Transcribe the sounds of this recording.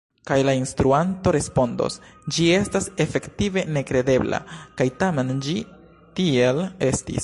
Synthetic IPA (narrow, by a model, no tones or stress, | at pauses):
kajlainstɾuanto̞ɾe̞spo̞ndo̞̰sd͡ʒie̞stase̞fe̞ktive̞ne̞kɾe̞de̞bla̰kajtame̞nd͡ʒi | tie̞le̞stḭs